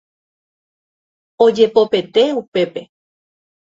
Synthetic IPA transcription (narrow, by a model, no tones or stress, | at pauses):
od͡ʒe̞po̞pe̞t̪e̞upe̞pe̞